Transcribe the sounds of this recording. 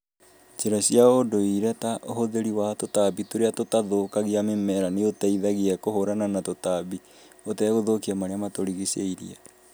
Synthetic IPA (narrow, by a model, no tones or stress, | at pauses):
t͡ʃeɾasjaodoiɾɛtaʔoɦoðeɾiwatotaβitoɾeatotaðoːkaɣiamemɛɾaneotaiðaɣiɛkohoɾananatotaβi | otɛɣoðokiamaɾeamatoɾiɣisḛiɾḭa